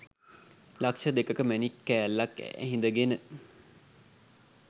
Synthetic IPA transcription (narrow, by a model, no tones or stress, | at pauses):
lakʂəd̪ekəkəmænikːæælːɐkːæ̰ɦĩnd̪əɡenə